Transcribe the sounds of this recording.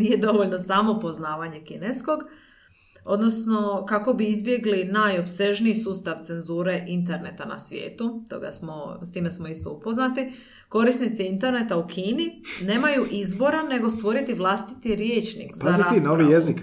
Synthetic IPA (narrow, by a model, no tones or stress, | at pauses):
nijed̪o̞ʋoʎno̞saːmo̞po̞znaːʋaɲe̞kinesko̞ɡ | o̞d̪no̞sno̞kako̞biizbje̞ɡlinajo̞pse̞ʒniisuːst̪aʋt̪se̞nzuːɾe̞ʔint̪e̞ɾne̞t̪ana̰sʋjḛːt̪ut̪o̞̰ɡa̰smo̞st̪iːmesmoist̪o̞̰upo̞znat̪i | ko̞ɾisnit̪siint̪e̞ɾnet̪aukʰiːnine̞ːmajuʔizbo̞ɾane̞ɡo̞st̪ʋo̞ɾit̪iʋlˠast̪i̥t̪iɾje̞ːt͡ʃnḭkzpaazɾiinoʋijezik